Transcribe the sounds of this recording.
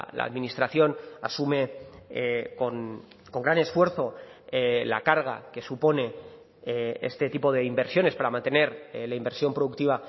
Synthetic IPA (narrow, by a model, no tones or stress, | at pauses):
la̰a̰ːðmĩnist̪ɾaθjo̞nasume̞ | ko̞n | ko̞ŋɡɾane̞sfwe̞ɾθo̞ela̰kaɾɣ̞a̰ke̞supo̞ne̞ | ḛst̪e̞t̪ipo̞ðe̞imbe̞ɾsjo̞nespaɾamãnt̪e̞ne̞ɾlaimbeɾsjo̞mpɾoðuk̚t̪iβa